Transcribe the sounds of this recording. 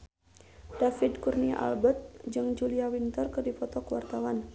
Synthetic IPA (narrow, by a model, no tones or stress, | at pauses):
d̥afidkurnia̰ʔa̰lbət̪̚d͡ʒɨŋd͡ʒuliawint̪ɔrkɨrdipɔt̪ɔkəwa̰rt̪awan